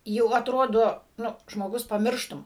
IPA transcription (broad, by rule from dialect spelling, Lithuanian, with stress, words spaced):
jɛʊ ɐtˈroːdoː ˈnʊ ʒmoːˈɡʊs pɐˈmʲɪrʃtʊm